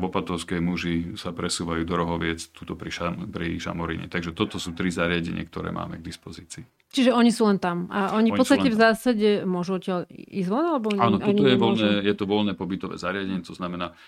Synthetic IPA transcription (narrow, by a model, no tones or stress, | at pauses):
ɔpat̪ɔʊskɛmuʒisapɾɛsuːʋajuːd̪ɔɾɔɦɔʋɪɛt͡st̪uːt̪ɔpɾiʃapɾiʃa̰mɔɾḭɲɛ̰t̪aɡʒɛt̪ɔt̪ɔsuːt̪ɾizaɾɪaɟɛ̰ɲɪɛ̰k̚t̪ɔɾɛ̰ːmʔa̰ːmɛɡ̚d̪ispɔziːt͡siː | t͡ʃiʒɛɔɲisuːlɛnt̪amaʔɔɲippɔt͡ssst̪acɛvzzaːsaɟɛmʊɔʒuɔcɪalizʋɔnalɛbɔaːnɔt̪ɔɲɔjɛʋɔlnɛːjɛt̪ɔʋɔlnɛːpɔbit̪ɔʋɛ̰ːzaɾɪaɟɛɲɪɛt̪ɔznamɛnaː